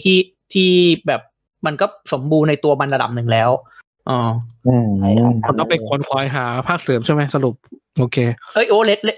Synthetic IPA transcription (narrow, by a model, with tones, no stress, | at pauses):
t̪ʰiː˥˩ | t̪ʰiː˥˩bɛː˨˩p̚ | ma˧nkɔː˥˩so˩˦mbuː˧nːa˧jt̪u˧ɐma˧nla˧da̰˨˩p̚nɯ˨˩ŋlɛː˦˥w | ʔɔː˧ɯː˧˩a˧nt̪ɔ˥˩pe˧nkʰo˧ənkʰaː˨˩˦jɦaː˩˦pʰaː˥˩k̚sɯː˨˦mʰa˥˩jma˦˥jsa˧ɾu˨˩p̚ | ʔoː˧kʰeː˧ʔɤː˦˥˩jʔoː˨˧˩le˦˥t̪̚le˦˥